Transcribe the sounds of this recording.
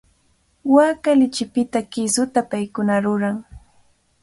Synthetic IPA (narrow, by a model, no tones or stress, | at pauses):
waːkalɪt͡ʃɪpɪt̪akɪsʊt̪apajkʊnaɾʊɾaŋ